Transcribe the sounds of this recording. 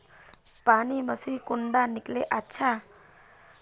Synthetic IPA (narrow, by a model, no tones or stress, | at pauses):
paniməsikuɳɖanikleʔatːʃʰa